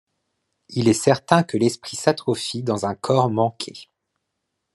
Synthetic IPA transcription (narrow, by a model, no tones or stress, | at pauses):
ilɛsɛʁt̪ɛ̃kəlɛspχisat̪χɔfid̪ɑ̃zɛ̃kʰɔʁmɑ̃kʲʰe